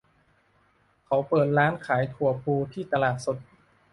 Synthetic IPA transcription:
kʰa˩˦˥wpɤː˨˩t̪̚ɾaː˦˥nkʰaː˩˦jt̪ʰu˨˩ɐpʰuː˧t̪ʰiː˥˩t̪a˧laː˨˩t̪̚so˨˩t̪̚

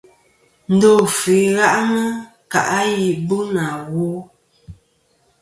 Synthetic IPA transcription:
n̩˦do˦˨fi˨˦ɣa˦ʔnə˦ | ka̰˨ʔa˦ji˨bu˦na˨ɣo˦

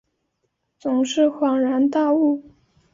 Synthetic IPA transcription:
t͡sʊ˨˩ŋʂɻ̩˥˩xwɑ˨˥ŋɻa˧˥nt̪a˥˧u˥˩

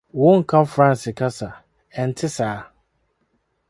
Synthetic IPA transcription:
wʊ̃˦ŋ̩˨kʰã˦fɾã˦n˨sɪ˨kʰa˦sa˨ | ɛ˨n̩˨tʰɪ˦saː˨˦

